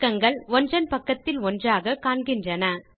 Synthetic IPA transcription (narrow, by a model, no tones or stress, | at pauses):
kːɐŋɡɐɭɔndrɐnpɐkːɐt̪ːɪlɔndraːɣɐkaːɳɡɪndrɐnɐ